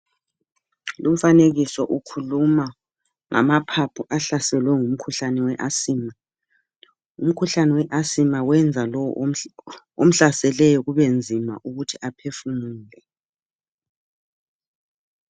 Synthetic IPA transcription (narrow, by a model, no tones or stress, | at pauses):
lum̩faneɣisɔʔukʰuluma | ŋʔa̰mapʰapʰuʔaɬasɛlwɛŋum̩kʰuɬanɛwɛʔasiːma | um̩kʰuɬanɛwɛʔasimawɛnd͡zʱalɔw | om̩ɬasɛlɛjɔɣuβend͡zʱima̰ʔuɣutʰiʔapʰefumuːlɛ